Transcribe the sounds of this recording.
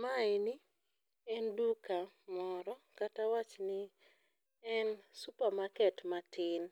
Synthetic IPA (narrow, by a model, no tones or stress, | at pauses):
maeni | ɛnduka | mɔɾɔkatawat͡ʃnɪ | ɛnsupamakɛtmatʰɪn